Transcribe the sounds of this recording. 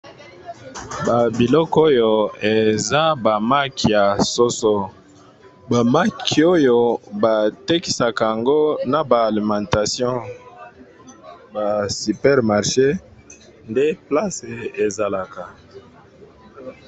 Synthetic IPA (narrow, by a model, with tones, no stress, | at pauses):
ba˨bi˨lɔ˦ko˦jo˨e˨za˦ba˨ma˦ki˨ja˨so˦so˦ | ba˨ma˦ki˨o˦jo˨ba˨te˦ki˨sa˨ka˨a˨ŋɡo˦na˨baː˨li˨mɑ̃˨nta˨sjɔ̃˦ | ba˨si˨pɛ˦ʁma˨ʁʃe˦ | nde˦pla˦se˨e˨za˨la˨ka˨